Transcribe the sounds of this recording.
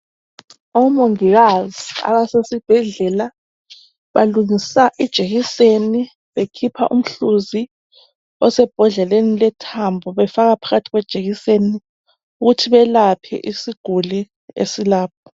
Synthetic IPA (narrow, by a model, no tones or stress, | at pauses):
ɔmoŋiɣazia̰βasesib̥ʱɛɮɛla | βaluŋisaʔid̥ʒ̥ʱeɣiseni | βekʰipʰa̰ʔṵm̩ɬuzi | ɔsɛb̥ʱɔɮɛlenilɛtʰambʱɔβɛfaɣapʰaɣatʰiɣwɛd̥ʒ̥ʱeɣiseni | uɣutʰiβɛlapʰɛ̰ʔisiɡ̥ʱuli | ḛsilaːpʰɔ̥